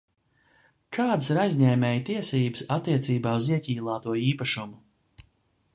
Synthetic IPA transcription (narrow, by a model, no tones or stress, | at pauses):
kʰɑːd̪siɾajzʲɲɛːmʲɛːjt̪iɛsiːbɨsat̪ːiɛt̪siːbaːuziɛcʲiːlˠaːt̪uɔiːpaʃumu